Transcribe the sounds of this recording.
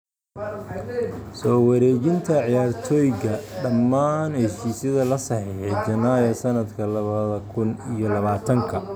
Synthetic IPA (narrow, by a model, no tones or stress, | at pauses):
sɔːwɑɾɛːt͡ʃɪnt̪ʰɐʕjaːrt̪ʰɔːjɣɐɖɐmːaːnhɛʃiːsjɐðɐlɐsɑħiħɛd͡ʒɐnaːjɐsɐnɐd̪kʰɐlɐβɐðɐkʰʊnijɔlɐβaːt̪ʰɐŋkʰɐ